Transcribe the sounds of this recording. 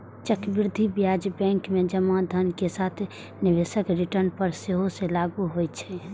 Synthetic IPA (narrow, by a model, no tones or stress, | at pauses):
t͡ʃəkbɪɾd̪ʱibjad͡ʒbɛ̃ŋkmed͡ʒəmad̪ʱənkesat̪ʰ | niʋesəkɾiʈəɾnpəɾseɦosẽlaɡuɦojt͡ʃʰɛ